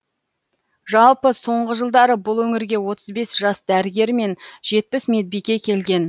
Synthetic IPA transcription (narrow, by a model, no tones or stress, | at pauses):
ʒɑlˠpəso̞ɴʁəʒəlˠd̪ɑɾəbʊlˠwɵŋɪɾɡʲe̞wo̞t̪əzbe̞sʒ̥ɑsd̪æɾɪɡʲe̞ɾme̞nʒe̞t̪̚pɪsme̞d̪̚bikʲe̞kʲʰe̞lɡʲe̞n